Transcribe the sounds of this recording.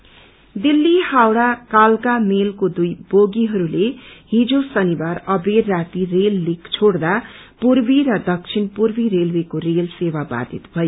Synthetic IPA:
d̪ilːihawɽakalkamelkod̪ujboɡiɦʌɾuleɦid͡zosʌnibarʌberːat̪irelːikt͡sʰoɽd̪a | purbiɾʌd̪ʌk̚t͡sʰinpurbiɾelwekoɾelsewaba̰d̪ʱit̪bʱʌjo

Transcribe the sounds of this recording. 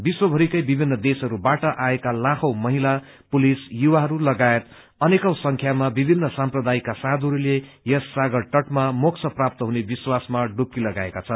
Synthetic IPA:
biswʌbʱʌɾikʌjbibʱinːʌd̪esʌɾubaʈʌʔaekalãkʰʌwmʌɦila | pulisjuwaɦʌɾulʌɡaet̪ | ʌnekʌwsʌŋkʰjamabibʱinːʌsamprʌd̪aikasad̪ʱʌɾule | jʌsːaɡʌɽʈʌʈmamokt͡sʰʌprap̚t̪ʌɦunebiswasmaɖup̚kilʌɡaekat͡sʰʌn

